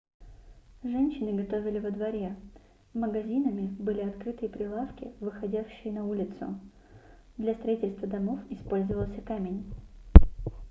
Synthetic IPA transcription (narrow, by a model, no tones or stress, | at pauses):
ʐɛnʲɕːɪnɨɡɐt̪o̞vʲɪlʲɪvəd̪vɐɾʲe | məɡɐzʲinəmʲɪbɨlʲɪɐt̪kɾɨt̪ɨjəpɾʲɪlˠafkʲɪ̰vɨxɐdʲæfɕːɪjɪnɐulʲɪt̪sʊ̰ | d̪lʲɐst̪ɾɐitʲɪlʲst̪vəd̪ɐmo̞fɪspo̞lʲzəvəlˠsʲəkamʲɪnʲ